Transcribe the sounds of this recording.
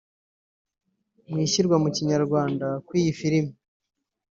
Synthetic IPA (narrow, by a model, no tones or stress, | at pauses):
mŋiːçiɾɡwamuciɲaɾɡwaːndakwiːjifiɾimi